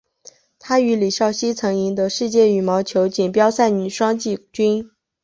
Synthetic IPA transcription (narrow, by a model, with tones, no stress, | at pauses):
t̪ʰa˥y˧˥li˨˩ɕjɑ˥˩ʊɕi˥t͡sʰɤ˧˥ŋi˧˥ŋd̪ə˧ʂɻ̩˥˧t͡ɕjɛ˥˩y˨˩mɑ˧˥ʊt͡ɕʰjo˧˥ʊt͡ɕi˨˩npjɑ˥ʊsa˥˩ɪny˨˩ʂwɑ˥ŋt͡ɕi˥˩t͡ɕy˥n